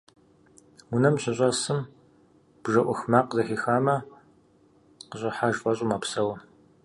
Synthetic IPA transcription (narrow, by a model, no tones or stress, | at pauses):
ʊnɐmɕɪɕʼɐsɨm | b̥ʒɐʔʷɔxmaːqzɐxiːxaːmɐ | qəɕʼɪħaʒfɐɕʼʊmapsɐwɐ